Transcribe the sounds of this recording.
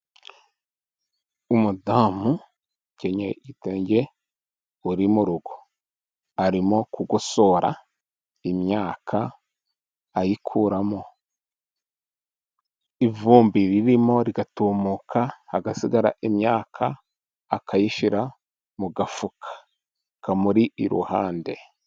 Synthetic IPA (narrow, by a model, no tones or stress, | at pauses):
umudaːmu | ceɲa̰iteːɲɟe | uɾimuɾuɡo | aɾimo̞kuɡoso̞ːɾa̰ | imjaːkʰa | jikʰuːɾamo | ivuːmbiɾiɾimo̞ɾiɡatuːmukʰahːɡasiɡaɾa̰ʔimɲaːkʰaː | kʰajiʃiɾa | muɡafukʰḁ | kamuɾiʔiɾṵha̰ːnde̞